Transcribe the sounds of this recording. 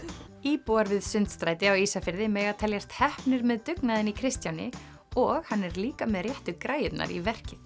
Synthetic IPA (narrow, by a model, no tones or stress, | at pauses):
iːpuaɾvɪðsʏnt̪st̪ɾaːjt̪ɪawiːsafɪɾðɪmɛːɣat̪ʰɛljast̪hɛhpnɪɾmɛðt̪ʏknaðɪnikʰɾɪst̪janɪ̰ | ɔɣhanːɛɾliːkamɛðrjɛht̪ʏkɾaːjɪt̪na̰ɾḭvɛr̥cɪ